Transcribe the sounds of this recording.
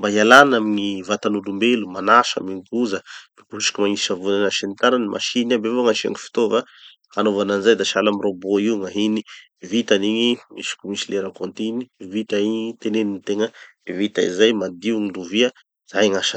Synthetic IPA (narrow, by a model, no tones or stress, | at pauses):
mbaɦialanamiɲivat̪anulumbelumanaʃa̰miɲkuzəb̥ekuuʃi̥kimaŋiiavunanaʃinit̪aɾanimʔa̰ʃinabevoŋaʃia̰ŋifi̥t̪ova | anovananizajd̪aʃalamiɾoboiuŋaɦini | vit̪aniɲimisi̥kumisileɾakont̪inivit̪aiɲit̪eneninit̪eŋə | evit̪a̰izajmad̪iuŋiluvia | z̥ajŋaʃa